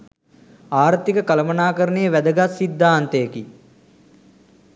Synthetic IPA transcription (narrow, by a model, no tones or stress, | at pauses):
aːɾt̪ikəkɐlɐmɐnaːkəɾənejəʋæd̪əɡasid̪ʱːaːnt̪ejəki